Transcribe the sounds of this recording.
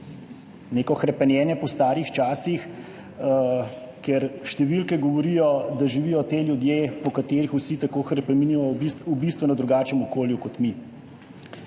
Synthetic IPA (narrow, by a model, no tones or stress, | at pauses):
neːkɔxɾɛpɛnjɛːnjɛpɔst̪aːɾjixt͡ʃaːsix | kɛɾʃt̪ɛʋilkɛɡɔʋɔɾijɔd̪aʒiʋiːjɔt̪eːljud̪jeːpɔkat̪eːɾixusit̪akoːxɾɛpɛminimɔiubist̪ʋɛnɔd̪ɾuɡaːt͡ʃɛmɔkoːljukɔt̪mi